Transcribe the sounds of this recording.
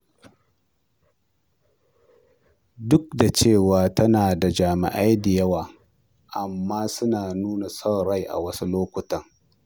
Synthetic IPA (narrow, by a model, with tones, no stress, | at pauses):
dʊ˦k̚da˨t͡ʃeː˦˨waː˨tɐ˦naː˨da˨d͡ʒaː˨mɪ̰˨ʔa˦jdɪ˨jɐ˦waː˨ | ʔa˨mːaː˦sʊ˦naː˨nuː˦na˨sa˦wɽa˦jʔa̰˨wɐ˦su˦loː˦kʷʊ˨tɐ˦ŋ